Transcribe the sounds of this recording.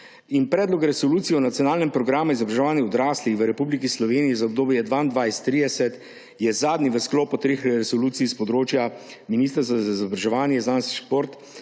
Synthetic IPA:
inpɾɛːd̪lɔkɾɛsɔluːt̪sijɛɔnat̪sijɔnaːlnɛmpɾɔɡɾaːmuizɔbɾaʒɛʋaːnjɛɔd̪ɾaːslixʋəɾɛpublikislɔʋeːnijizaɔb̚d̪oːbjɛd̪ʋaːnd̪ʋajst̪ːɾiːd̪ɛsɛt̪ | jɛzaːd̪niʋəsklɔːpɔt̪ɾeːxɾɛsɔluːt̪sispɔd̪ɾoːt͡ʃja | miniːst̪ɾsazaizɔbɾaʒɛʋaːnjɛznanst̪ʃpoːɾt̪

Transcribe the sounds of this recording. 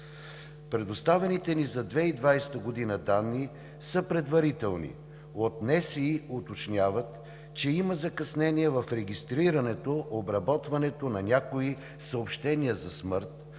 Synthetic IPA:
pɾɛd̪ost̪avɛnit̪ɛnizɐd̪vɛid̪vajst̪əɡod̪inəd̪anːi | səpɾɛd̪vɐɾit̪ɛlˠnḭ | ot̪nɛsiot̪ot͡ʃnʲavət̪ | t͡ʃɛimɐzɐkɐsnɛniɛvɐfɾɛɡist̪ɾiɾɐnɛt̪oʔobɾɐbɔt̪vɐnɛt̪onɐnʲakoi | səopʃt̪ɛniəzɐsməɾt̪̚

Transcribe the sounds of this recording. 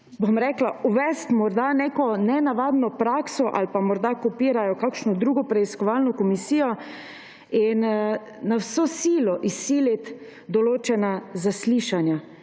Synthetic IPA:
bomɾɛklauʋɛst̪mɔɾd̪anekɔnɛnaʋaːd̪nɔpɾaːksɔʔa̰lpamɔɾd̪akɔpiːɾajɔkakʃnɔd̪ɾuːɡɔpɾɛiskɔʋalnɔkɔmisiːjɔ | in | nawsosiːlɔʔisːiːlit̪ | d̪ɔloːt͡ʃɛnazasliːʃanja

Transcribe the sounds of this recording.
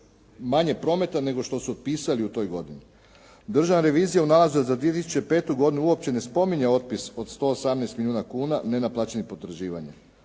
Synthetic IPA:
maɲe̞pɾo̞me̞t̪ane̞ɡo̞ʃt̪o̞suot̪̚piːsaliut̪o̞jɡo̞d̪ini | d̪r̩ʒaʋnaɾe̞ʋiːzijaunalˠazud̪azad̪ʋie̞t̪isu̥t͡ɕe̞pe̞ːt̪uɡo̞d̪inuuo̞p̚t͡ɕe̞ne̞spo̞miɲeo̞t̪̚piso̞d̪st̪o̞ːsamnest̪miljuːnakuːnane̞naplˠat͡ɕenipo̞t̪ɾaʒiːʋa̰ɲḛ

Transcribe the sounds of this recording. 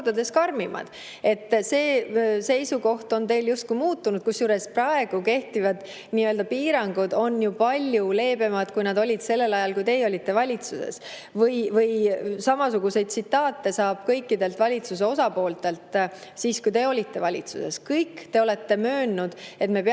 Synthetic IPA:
d̪ɑd̪e̞skɑrmimɑ̰d̪̥ | e̞t̪ːse̞ːse̞jsuko̞ht̪o̞nt̪e̞jljust̪̚kuimuːt̪ːunud̪̥̚kusjuːɾe̞sprɑe̞ɡ̥uke̞ht̪ivɑd̪̥ | niːøld̪ɑpiːɾɑŋɡ̥ud̪̥o̞njupɑlʲjule̞ːbe̞mɑd̪̥kujnɑd̪o̞lʲid̪se̞lːe̞lɑjɑlkujt̪e̞jo̞lʲit̪ːe̞vɑlʲit̪susḛs | vɤjvɤjsɑmɑsuɡ̥use̞jd̪̚tsit̪ːˑɑːt̪ːe̞sɑːb̥̚kɤjkːˑid̪e̞lt̪vɑlʲit̪sus̬e̞o̞sɑpo̞ːlt̪e̞lt̪siːskujt̪e̞o̞lʲit̪ːe̞vɑlʲit̪suse̞̰skɤjkːt̪e̞o̞le̞t̪ːe̞møːnːud̪̥e̞t̪me̞pe

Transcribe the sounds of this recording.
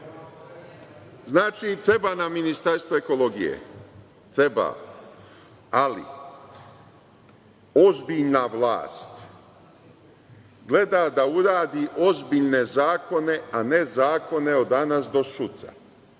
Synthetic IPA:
znaːt͡ʃit̪ɾebanaminist̪aɾst̪ʋoeko̞lo̞ɡijḛ | t̪ɾeba̰ | alḭ | ozbiʎnaʋla̰ːst̪ | ɡle̞d̪ad̪auɾaːd̪iʔo̞zbiʎne̞zaːko̞ne̞ane̞zaːko̞ne̞od̪anasd̪o̞sut̪sa̰

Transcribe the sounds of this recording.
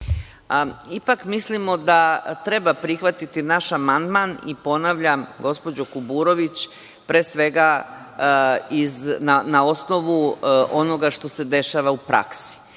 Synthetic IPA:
ipakmislimo̞d̪at̪ɾe̞bapɾixʋat̪it̪inaʃamand̪manḭpo̞naʋʎamɡo̞spo̞d͡ʑokubuɾo̞ʋit͡ɕ | pɾeːsʋe̞ɡa | iznanao̞sno̞ʋuʔo̞no̞ɡaʃt̪o̞se̞d̪e̞ʃaʋaupɾa̰ksi̥

